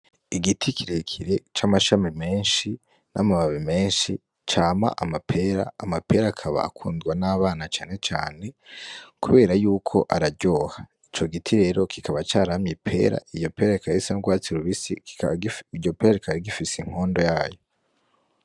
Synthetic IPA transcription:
iɡitʰikʰiɾekʰiɾe̞t͡ʃamaʃamime̞ːnʃi | na̰maβaβime̞ːnʃi | t͡ʃaːma̰ʔamapʰe̞ɾa̰ːmapʰe̞ɾakʰaβa̰ːkʰṵːndɡwanaːβaːnat͡ʃaːne̞t͡ʃa̰ːne̞kuβe̞ːɾajuːkʰo̞̰ʔaɾaɟo̞ːhait͡ʃo̞ɡitʰiɾe̞ːɾo̞kikaβat͡ʃaːɾamɲipʰe̞̰ːɾa̰ijo̞pe̞ːɾaikaɾisanoɡwaːt͡siɾuβisḭ | iɟo̞peːɾaikʰaɾiɡifisiŋ̥ho̞ːndo̞jaːjo̞

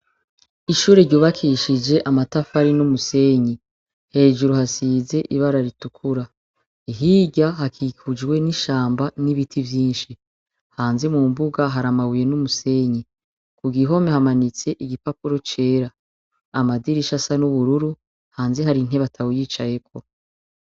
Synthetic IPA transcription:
iʃuːɾeɾɟuːβakʰiʃid͡ʒe̞ʔamatafaɾinumuse̞ɲi | he̞ːʒuɾuhasiːze̞ʔiβaɾaɾitukʰuɾa | iɦiːɟaɦakʰikʰud͡ʒwe̞niʃaːmbaniβitʰivjiːnʃi | haːnze̞mumbuɡaɦaɾamawuje̞numuse̞ɲi | kuɡiɦo̞mehamanit͡se̞ʔiɡipapuɾo̞t͡ʃe̞ːɾaː | madiɾiʃasanuβuɾuɾu | haːnze̞ɦaɾin̥ɦe̞βatʰawujiːt͡ʃaje̞kʰo̞

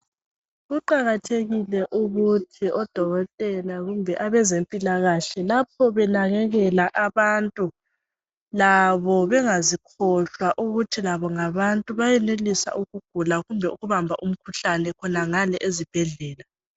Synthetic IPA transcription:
ɣuǃaɣatʰeɣilɛʔuɣutʰiʔɔd̥ʱɔɣɔtʼɛlaɣumbʱɛʔaβɛzempʼilaɣaɬɛlap̚ʰɔβɛnaɣɛɣɛlaʔaβantʼu | laβɔβɛŋazikʰɔɬwaʔuɣutʰilaβɔŋaβantʼuβajɛnelisa̰ʔuɣuɡ̥ʱulaɣumbʱɛuɣuβambʱaʔum̩kʰuɬanɛkʰɔnaŋalɛʔezib̥ʱɛɮɛːla

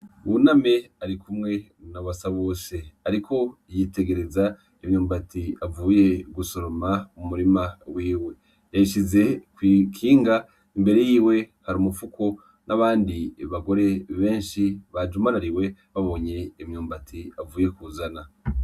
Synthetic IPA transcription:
βuname̞aɾikumŋe̞ | naβasaβoːse̞aɾikʰo̞jite̞ɡe̞ɾeza | imɲuːmbatiavuːje̞ɡuso̞ɾomaumumuɾimawiːwe̞ | jaiʃize̞kwikʰiːŋɡa | imbe̞ɾe̞jiːwe̞haɾimufukʰo̞ | nʔaβaːndiβaɡo̞ɾe̞βe̞ːnʃiβad͡ʒumanaɾiwe̞βaβo̞ːɲe̞ːmɲuːmbatʰiavuːje̞kuzana

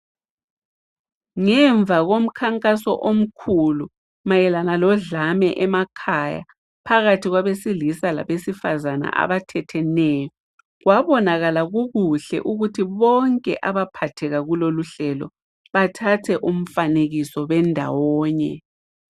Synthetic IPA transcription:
ŋɛɱb̪vʱaɣom̩kʰaŋkʼasɔ̰ʔom̩kʰulu | majɛlanalɔɮamɛʔɛmakʰaja̰ | pʰaɣatʰiɣwaβesilisala̰βesifazana̰ʔa̰βatʰɛtʰɛnɛːjɔ | ɣwaβɔnaɣalaɣuɣuɬɛ̰ʔuɣutʰiβɔŋkʼɛ̰ʔaβapʰatʰɛɣaɣuloluɬɛlɔ̰ | βatʰatʰɛʔum̩faneɣisɔβɛndʱa̰wɔːɲɛ̰

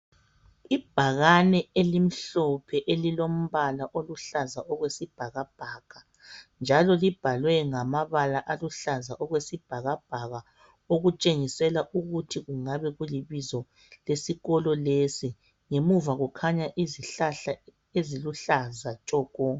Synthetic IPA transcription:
ib̥ʱaɣanɛelim̩ɬɔpʰɛʔelilom̩βalaʔoluɬazaʔɔɣwesib̥ʱaɣab̥ʱaɣ̥a | nd͡ʒʱalɔlib̥ʱalwɛŋamaβalaʔaluɬazaʔɔɣwesib̥ʱaɣab̥ʱaɣa | oɣut͡ʃʼeŋisɛlaʔuɣutʰiɣuŋaβɛɣuliβizɔ | lesiɣɔlɔlesi | ŋemuvaɣukʰaɲaʔiziɬaɬa | eziluɬazat͡ʃʼɔːkɔ

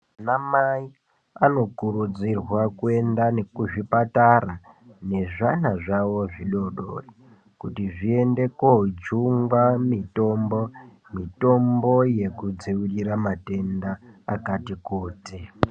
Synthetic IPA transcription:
namai | ano̞kuɾud͡zirwakue̞ndane̞kuʐipatara | ne̞ʐanaʐawo̞ʐiɗo̞ɗo̰ri | kutiʐie̞nde̞koɦd͡ʒuŋɡwamito̞mbo | mito̞mbo̞je̞kud͡ziwuriɾamate̞ndaːkatikuːti

